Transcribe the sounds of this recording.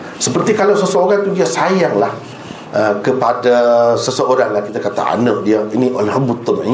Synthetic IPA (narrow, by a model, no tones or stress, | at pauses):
səpərt̪ikalawsəsəoɾaŋt̪udiasajaŋlah | ʔəkəpadasəsəʔoɾaŋlahkit̪akat̪a̰ʔa̰nədiainiʔolaɦbut̪əmḭ